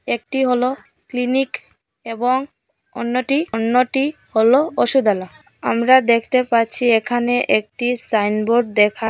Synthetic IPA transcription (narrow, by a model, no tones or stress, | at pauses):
ek̚ʈiɦolo | klinik | eboŋ | o̰nːoʈionːoʈi | holooʃud̪ala | a̰mɾad̪ekʰt̪epaɾt͡ɕʰiekʰaneʔek̚ʈisajnboɾɖ̚d̪ekʰa